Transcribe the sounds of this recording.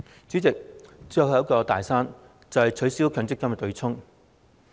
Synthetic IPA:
t͡syː˨˥t͡sɪ˨k̚t͡sːkɔː˧t̪a̰ː˨jsaː˥n | t͡sɐ˨whɐ˨jt͡ʃʰɵ˨˥ɥsiː˥wkʰœː˨˥ŋt͡sɪ˥kːɐ˥m˧˨t̪ɵ˨˧ɥt͡sʰʊ˥ŋ

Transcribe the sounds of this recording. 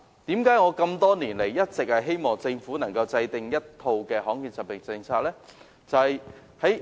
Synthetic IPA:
t̪iː˨˥mkaː˨˥jŋɔː˨˧kɐ˧mt̪ɔː˥niː˨˩nle˨˩jːɐ˥t̚t͡sɪ˨k̚hɐ˨jɦe˥jmɔː˨ŋt͡sɪ˧ŋfuː˨˥nɐ˨˩ŋkɐ˧wt͡sɐ˧jt̪ɪ˨ŋjɐ˥t̚t̪ʰo˧wkɛː˧ɦɔː˨˥ŋkiː˨˧nsɐ˨p̚pɪ˨˩ŋt͡sɪ˧ŋt͡sʰaː˧k̚lɛː˥ | t͡sɐ˨whɐ˨j | hɐ˨˥j

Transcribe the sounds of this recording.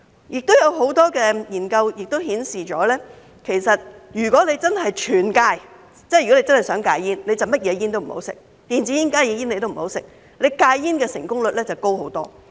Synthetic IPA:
jɪ˨k̚t̪o˥wjɐ˨˧wɦo˨˥wt̪ɔː˥kɛː˧jiː˨˩nkɐ˧wjɪ˨k̚t̪o˥wɦiː˨˥nsiː˨t͡ʃɔː˨˥lɛː˥ | kʰe˨˩jsɐ˨t̚jyː˨˩kʷɔː˨˥le˨˧jt͡sɐ˥nɦɐ˨jt͡ʃʰyː˨˩nkaː˧j | t͡sɛ˥˩jɥɔ˨˥e˧t͡sɐ˥nhɐ˨jsœː˨˥ŋkaː˧jːiː˥nle˨˧jt͡sɐ˨wmɐ˥t̚jɛː˨˧jiː˥nt̪o˥wm̩˨˩o̰˨˥wsɪ̰˨˩k̚ | t̪iː˨nt͡si˨˥ji˥nkaː˥jjɛː˨˧˦jiː˥nle˧t̪o˥wm̩˨˩ho˨˥wsɪ̰˨k̚ | le˨˧jkaː˧jːiː˥nkɛː˧sɪ˨˩ŋkʊ˥ŋlɵ˨t̚lɛː˥t͡sɐ˨wko˥who˨˧˥wt̪ɔː˥

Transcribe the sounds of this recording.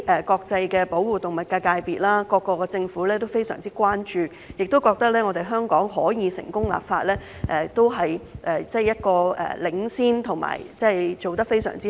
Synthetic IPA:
ʔɛ˨kɔː˧k̚t͡sɐ˧jkɛː˧po˨˥wwuː˨t̪ʊ˨˩ŋmɐ˨t̚kaː˧kaː˧jpiː˨t̚laː˥kɔː˧kːɔː˧kɛ˧t͡sɪ˧ŋfuː˨˥lɛː˥t̪o˥wfe˥jsœ̰ː˨˩ŋt͡siː˥kwaː˥nt͡ʃyː˨˧ | jɪ˨k̚t̪o˥wkɔː˧k̚t̪ɐ˥k̚lɛː˥ŋɔː˨˧t̪e˨jɦœː˥ŋkɔː˨˥ŋɦɔ̰ː˨˥jiː˨˧sɪ̰˨˩ŋkʊ˥ŋla̰ː˨p̚faː˧t̚lɛː˥ | ʔɛ˨t̪o˥wɦɐ˨jʔɛː˨t͡sɛ˥˩jɐ˥t̚kɔː˧ɛ̰ː˨˩lɪ˨˥ŋsiː˥nt̪ʰʊ˨˩ŋma̰ː˨˩jt͡sɛ˥jt͡so˨wt̪ɐ˥k̚fe˥jsœ̰ː˨˩ŋt͡siː˥

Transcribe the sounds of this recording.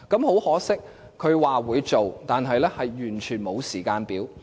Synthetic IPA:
kɐ˨˥mho˨˥whɔː˨˥sɪ˥k̚ʰ | ɵ˨˧ɥwaː˨wuː˨˧jt͡so˨wt̪aː˨nɦɐ˨jlɛː˥hɐ˨jjyː˨˩nt͡ʃʰyː˨˩nmo˨˧wsiː˨˩kaː˧npiː˨˥w

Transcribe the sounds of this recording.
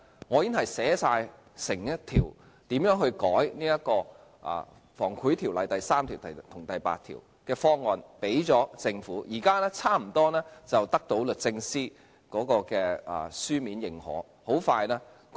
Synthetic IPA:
ŋɔː˨˧jɪ˥nhɐ˨jsɛː˨˥saː˧j | sɪ˨˩ŋjɐ˥tt̪ʰiː˨˩w | t̪iː˨˥mjœː˨˥ŋɦhɵ˧ɥkɔː˨˥jniː˥jɐ˥t̚kɔː˧ | ʔa̰ː˨ | fɔː˨˩ŋkʰuː˨˥jt̪ʰi˨˩wlɐ˨jt̪ɐ˨jsaː˥mt̪ʰiː˨˩wt̪ɐ˨t̪ʰʊ˨˩ŋt̪ɐ˨jpa̰ː˧t̪ʰḭ˨˩w | kɛː˧fɔː˥ŋːɔː˨˧npe˨˥jt͡sɔː˨˥t͡sɪ˧ŋfuː˨˥jiː˨˩kaː˥lɛː˥t͡sʰaː˥m̩˨˩t̪ɔː˥nɛː˥t͡sɐ˨wt̪ɐ˥k̚t̪o˨˥wlɵ˨t̚t͡sɪ˧ŋsiː˥ | kɔː˨˥kɔː˧kɛː˧ɐ̰ː˨syː˥miː˨˧njɪ˨˩ŋhɔ̰ː˨˥ | ho˨˥wfaː˧jlɛː˥

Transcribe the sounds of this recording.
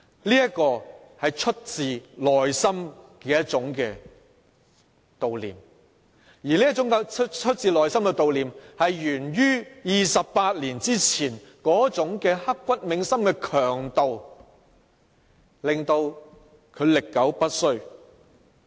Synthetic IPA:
liː˥jɐ˥kːɔː˧ | hɐ˨jt͡ʃʰɵ˥t̚t͡siː˨lɔː˨jsɐ˥mkɛː˧jɐ˥t̚t͡sʊ˨˥ŋkɛː˧ | t̪o˨wlḭː˨m | jiː˨˩liː˥ɐ˥t̚t͡sʊ˨˥ŋkɛ˧˥ɵ˥t̚t͡siː˨lɔː˨jsɐ˥mkɛ˧t̪o˨wliː˨mhɐ˨jjyː˨˩njyː˥jiː˨sɐ˨pːaː˧t̚liː˨˩nt͡siː˥t͡sʰiː˨˩n | kɔː˨˥t͡sʊ˨˥ŋkɛː˧hɐ˥kːʷɐ˥t̚mɪ˨˧˥ŋsɐ˥mkɛː˧kʰœː˨˩ŋt̪o˨w | lɪ˨ŋt̪o˧w | kʰɵ˨˧ɥlɪ˨kːɐ˨˥wpɐ˥t̚sɵ˥ɥ

